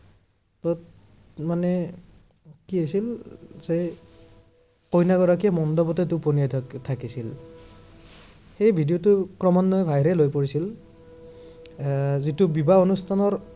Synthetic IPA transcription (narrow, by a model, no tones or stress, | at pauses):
tɔt | manɛ | kiesilse | kojnaɡɔɹakiɛmɔndɔbɔtɛtʊponijatʰakisil | xejbʱidijotʊkɹɔmɔnːɔjbʱaɦɾɛlojpoɹisil | zitubibaonustʰanɔɹ